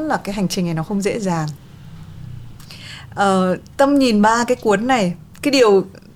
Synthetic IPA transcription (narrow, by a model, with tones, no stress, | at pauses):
nlaː˨˩kaː˨˦jɦa˨˩jŋ̟t͡ɕï˨˩ŋ̟na˨˩jnɔ˨˦xə˧wŋ͡mzḛ˧˥zaː˨˩ŋ | ʔəː˨˩t̪ə˧mɲi˨˩nɓaː˧kaː˨˦jku˨˦ənːa˨˩j | kaː˨˦jɗi˨˩əw